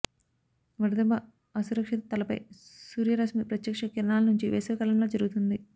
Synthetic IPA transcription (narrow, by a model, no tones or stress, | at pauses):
ʋɐɾd̪ɐbɐ | ɐsuɾɐkʂit̪ɐt̪ɐlɐpɐ̰jsuːɾjɐɾɐsmipɾɐt̪jɐkʂɐkiɾɐnaːlɐnuɲt͡ʃiʋɛːsɐɐkɐlɐmlo̞ːd͡ʒɐɾuɡut̪und̪i